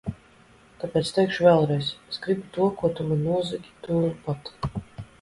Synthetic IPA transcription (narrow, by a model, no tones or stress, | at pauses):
t̪apʲeːt̪st̪ɛjkʃuvɛlˠɾɛjzesɡɾibut̪uɔkuɔt̪uvinuɔzɨɡʲi̥t̪uːɾupat̪